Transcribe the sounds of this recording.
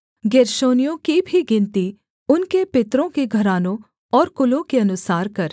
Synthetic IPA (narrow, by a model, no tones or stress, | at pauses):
ɡeːɾʃoːnijõkibʱiɡɪ̃nt̪i | ʊnkepɪt̪ɾõkeɡʱɐɾaːnõ | ɔːɾkʊlõkeɐnʊsaːɾkɐɾ